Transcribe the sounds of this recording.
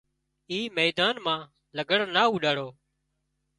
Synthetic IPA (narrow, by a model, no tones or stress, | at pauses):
iːmeːd̪aːnmãː | ləɡəɽnaːuːɗaːɽoː